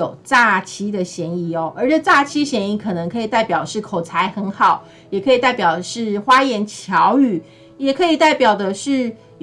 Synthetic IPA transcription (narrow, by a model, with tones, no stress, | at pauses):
o˨˩ʊt͡sa˥˩t͡ɕʰi˥d̪ə˨ɕjɛ˧˥ni˥˩o˦ʔə̰˞˧˥ʈ͡ʂə˥˧t͡sa˥˩t͡ɕʰi˥dɕjɛ˧˥ni˥˩kʰɤ˨˩nɤ˧˦ŋkʰɤ˧˥i˨˩t̪a˥˩ɪpjɑ˨˩ʊd̪ə˦ʂɻ̩˥˩kʰo˨˩ʊt͡sʰa˧˦ɪxə˧˥˦nxɑ˨˩˦ʊ | jɛ˨˩kʰɤ˧˥i˨˩t̪a˥˩ɪpjɑ˨˩ʊd̪ə˦ʂɻ̩˥˩xwa˥jɛ˧˥nt͡ɕʰjɑ˧˥ʊy˨˩ | jɛ˨˩kʰɤ˧˥i˨˩t̪a˥˩ɪpjɑ˨˩ʊd̪ə˦ʂɻ̩˥˩